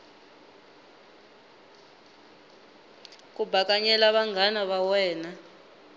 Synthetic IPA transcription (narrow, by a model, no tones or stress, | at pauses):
k̬ʼubʱak̬ʼaɲɛlaβaŋɡʱanaβawɛːna